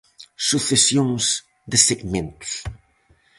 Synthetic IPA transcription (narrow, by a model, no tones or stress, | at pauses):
suθesjõŋz | d̪əseɡmẽnt̪u̥s